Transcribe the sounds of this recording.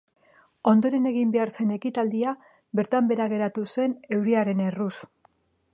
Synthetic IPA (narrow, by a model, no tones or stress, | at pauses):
o̞nd̪o̞ɾe̞ne̞ɣimbe̞aɾse̞ne̞kit̪ald̪ia | be̞ɾt̪ambe̞ɾaɣ̞e̞ɾat̪use̞ne̞wɾiaɾe̞ne̞rus